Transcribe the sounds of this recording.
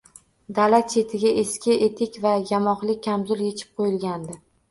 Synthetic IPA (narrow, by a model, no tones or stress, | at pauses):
d̪alat͡ʃʰe̞t̪ʰɪɡʲaʔeskʲɪʔet̪ʰɪkʲvajamɒχlɪk̚ʲʰːamzʊlje̞t͡ʃʰɪ̥p̚qʰojɪlɡʲand̪ɪ